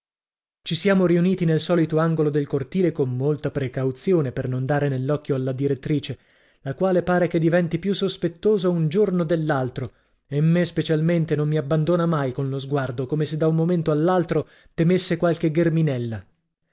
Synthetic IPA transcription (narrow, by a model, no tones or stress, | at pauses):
t͡ʃisjaːmoɾiuniːt̪inelsɔːlit̪oaŋɡolod̪elkort̪iːlekomːolt̪apɾekawt̪sjoːnepernond̪aːɾenelːɔkːjoalːad̪iɾet̪ːɾiːt͡ʃe | lakwaːlepaːɾeked̪ivɛnt̪ipjusːospet̪ːoːzaund͡ʒornod̪elːalt̪ɾo | emːespet͡ʃalment̪enomːiabːand̪oːnamajkonlozɡward̪okoːmesed̪aummoment̪oalːalt̪ɾo | t̪emesːekwalk̟eɡerminɛlːa